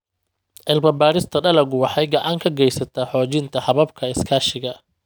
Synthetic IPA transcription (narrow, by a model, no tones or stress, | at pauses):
ʔɪlbɐbaːɾɪst̪ʰɐɖɐlɐɡʊwɑħɑjɡɑʕɑŋkʰɐɡɛjsɐt̪ʰaːħɔːt͡ʃɪnt̪ʰɐħɑβɐbkʰɐɪskʰaːʃɪɣɐ